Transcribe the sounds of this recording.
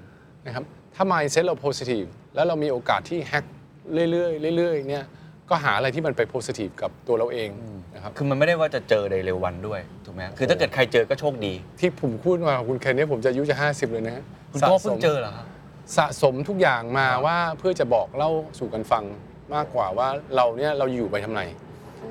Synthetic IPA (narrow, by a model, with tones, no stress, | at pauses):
na˦˥kʰa˦˥p̚ | t̪ʰaː˥˩maː˧jse˦˥t̪̚ɾa˧wpʰoː˦˥si˧t̪ʰiː˨˩plɛː˦˥wɾa˧wmiː˧˩ʔoː˧kaː˨˩t̪ʰːiː˥˩hɛ˦˥k̚ | ɾɯ˥˩əjlɯ˥˩əjɾɯ˥˩jɾɯ˥˩əjni˥˩ɐkɔː˥˩ɦaː˩˦ʔa˧ɾa˧jt̪ʰiː˥˩ma˧npa˧jpʰoː˦˥siː˧t̪ʰiː˨˩f̚ka˨˩p̚t̪u˧ɐɾa˧wʔeː˧ŋna˦˥kʰa˦˥pkʰɯː˧ma˧nma˥˩jda˥˩jwaː˥˩t͡ɕa˨˩t͡ɕɤː˧da˧jɾe˧wːa˧ndu˥˩əjt̪ʰuː˨˩k̚mɛ˦˥a˥kʰɯ˧t̪ʰaː˥˩ɤː˨˩t̪̚kʰa˧jt͡ɕɤː˧kɔː˥˩t͡ɕʰoː˥˩k̚diː˧t̪ʰiː˥˩pʰo˨˩˦mkʰuː˥˩t̪̚maː˧ka˨˩kʰu˧nkʰɛː˧ni˦˥˩pʰo˩˦mt͡ɕa˨ʔa˧ju˦˥t͡ɕa˨˩ɦaː˥˩si˨˩p̚lɤː˧jna˦˥kʰa˦˥ | kʰsa˨kʰɔː˥˩pʰɯ˥˩˦mt͡ɕɤː˧la˨˩kʰa˦˥p | sa˨˩ʔso˨˩˦mt̪ʰu˦˥k̚jaː˨˩ŋmaː˧waː˥˩pʰɯ˥˩t͡ɕa˨˩bɔː˨˩k̚la˥˩wsuː˨˩ka˧nfa˧ŋ | maː˥˩kːwaː˨˩waː˥˩ɾa˧wni˦˥˩ɐɾa˧wjjuː˨˩pa˧jt̪ʰa˧mna˧j